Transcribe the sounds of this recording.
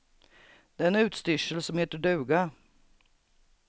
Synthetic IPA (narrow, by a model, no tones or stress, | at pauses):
d̪̥ɛːɛnʉ̟ːt̪st̪ʏʂəlsɔmheːt̪əɖʉ̟ːɡa